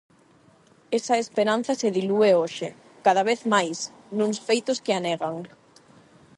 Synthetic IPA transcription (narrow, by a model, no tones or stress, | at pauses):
esɐespeɾan̟θɐseðilueoʃɪ | kaðaβeθmajs | nũŋsfejt̪ʊskɪaneɣaŋ